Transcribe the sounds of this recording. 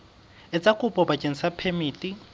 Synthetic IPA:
ɛt͡sʼakʼʊpʼɔbat͡ʃʼen̩sapʰemiːtʼi

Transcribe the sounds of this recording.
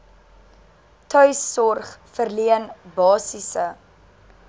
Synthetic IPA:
tœɥsːɔrχfərliənbɑːsisə

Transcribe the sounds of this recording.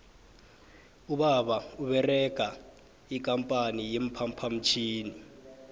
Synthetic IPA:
uɓaɓauɓɛrɛɡ̥ʱa | ikʼampʼanijem̩pʰampʰam̩t͡ʃʰiːni

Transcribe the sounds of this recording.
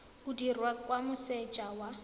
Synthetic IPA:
ʊdirwakʼwamʊsɛt͡ʃʼawa

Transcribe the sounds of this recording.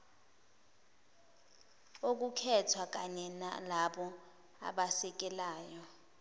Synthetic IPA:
ok̬ukʰɛtʰwak̬aɲɛna̰laɓɔ | a̰ɓasɛk̬ɛlaːjɔ

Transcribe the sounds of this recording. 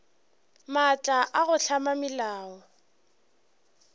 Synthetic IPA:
mat͡ʃʼaʔaɣʊɬʰamamɪlaːɔ

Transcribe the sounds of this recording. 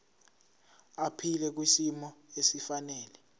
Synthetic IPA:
apʰilɛk̬wisimɔesifanɛːlɛ

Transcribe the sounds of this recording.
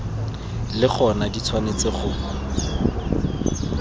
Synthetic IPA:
lɪχɔnadit͡sʰwanet͡sɪχʊ

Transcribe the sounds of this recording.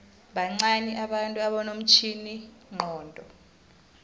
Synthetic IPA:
ɓaŋ͡ǀanɛʔaɓantʼuaɓɔnom̩t͡ʃʰiniŋ͡ǃʱɔːndʱɔ

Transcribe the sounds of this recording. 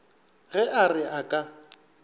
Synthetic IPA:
ɣɛʔarɪʔakʼa

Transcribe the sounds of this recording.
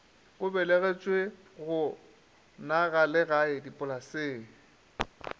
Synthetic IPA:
ʊbɛleɣɛt͡ʃʼwe | ɣʊ | naɣalɪɣaɪdipʼʊlaseːŋ̩

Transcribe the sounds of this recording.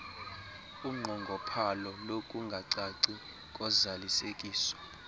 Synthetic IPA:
uŋ͡ǃʱɔŋɡʱɔpʰalɔlokʼuŋɡʱaǀaǀi | kʼɔzalisekʼiːsɔ̥

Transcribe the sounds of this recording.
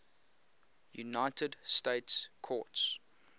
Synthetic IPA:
jṵnaɪtʰədsteɪtskʰɔ̰ts

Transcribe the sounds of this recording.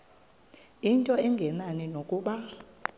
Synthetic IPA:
intʼɔɛŋɡʱɛnanɛnokʼuːɓa

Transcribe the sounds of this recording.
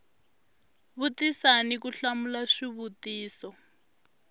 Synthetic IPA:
βutisanikuɬamulaʂiβutiːsɔ

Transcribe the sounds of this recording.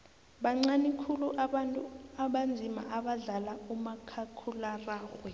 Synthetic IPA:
ɓaŋ͡ǀanikʰuluʔaantʼuaɓand͡zʱima̰ʔaɓaɮalaumakʰakʰularaːxwɛ

